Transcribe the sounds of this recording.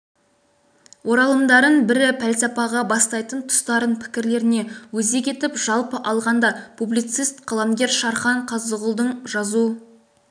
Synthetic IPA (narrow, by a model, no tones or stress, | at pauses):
wʔo̞ɾɑlˠəmd̪ɑɾənbɪɾɪpʰælsɑpɑʁɑbɑst̪ɑjt̪ənt̪ʰʊ̥st̪ɑɾənpʰɪ̥kʲɪɾle̞ɾɪne̞wɵze̞kʲʰe̞t̪ɪpʒɑlˠpəʔɑlˠʁɑnd̪ɑpʰublijt̪sɨjst̪qʰɑlˠɑmɡʲe̞ɾʃɑɾχɑɴqʰɑzəʁʊlˠd̪əɴʒɑzu